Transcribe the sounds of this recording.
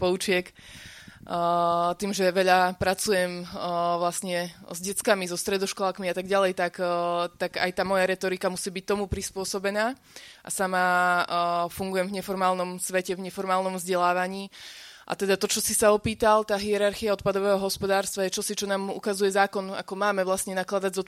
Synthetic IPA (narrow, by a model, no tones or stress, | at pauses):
pɔut͡ʃɪɛk | t̪iːmʒɛʋɛʎapɾat͡sujɛmʋlasɲɛzɟɛt͡skamizɔst̪ɾɛd̪ɔʃkɔlakmiat̪aɡɟalɛjt̪akt̪aɡa̰jt̪aːmɔjaɾɛt̪ɔɾikamusiːbic̚t̪ɔmupɾispʊɔsɔbɛnaː | ʔa̰sama | fuŋɡujɛmvɲɛfɔɾmaːlnɔmsʋɛcɛvɲɛfɔɾmaːlˠnɔmvzɟɛlaːʋaɲiː | ʔa̰t̪ɛd̪at̪ɔt͡ʃɔsisaɔpiːt̪alt̪aːɦiɛɾaɾxiaɔt̪̚pad̪ɔʋɛːɦɔɦɔspɔd̪aːɾst̪ʋajɛt͡ʃɔsit͡ʃɔnaːmṵkazujɛzaːkɔna̰kɔmaːmɛʋlasɲɛnaklad̪aɟzɔ